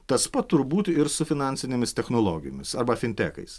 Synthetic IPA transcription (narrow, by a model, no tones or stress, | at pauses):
t̪ɐspɐt̪ːʊɾbuːt̪ʲɪɾsʊfʲɪnɑˑnʲsʲɪnʲemʲɪst̪ʲɛxnoːlˠoːɡʲɪjoːmʲɪsɐɾbɐfʲɪnʲt̪ʲæːkɐ̰ɪs